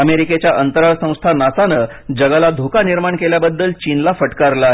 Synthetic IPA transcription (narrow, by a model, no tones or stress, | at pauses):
əmeɾiket͡ɕjaʔənt̪əɾaɭsə̃w̃st̪ʰanasanə | d͡ʑəɡalad̪ʱokaniɾmaɳkeljabəd̪ːəlt͡ɕinlafəʈkaɾla